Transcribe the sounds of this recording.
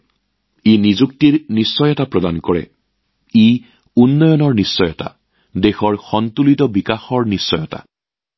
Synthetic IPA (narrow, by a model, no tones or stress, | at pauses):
inizuk̚tiɹnisːɔjɛtapɹɔdankɔɹɛ̰ | i | unːɔjɔnɔɹnisːɔjɔta̰ | dexɔɹxɔntulitɔbikaxɔɹnisːɔjɔta̰